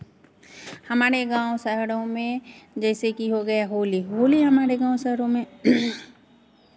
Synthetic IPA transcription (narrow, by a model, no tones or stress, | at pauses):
hɐmaːɾeɡãːwõsəɦɽõmẽd͡ʒɛːsekiɦoɡɐjaɦoːliɦoːliɦɐmaːɾeɡãːw̃səɦɾõmẽ